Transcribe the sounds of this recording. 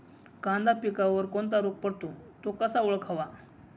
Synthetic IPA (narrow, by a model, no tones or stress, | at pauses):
kãnd̪apikaʋəɾkoɳt̪aɾuk̚pəɽt̪ot̪okəsauɭəkʰaʋa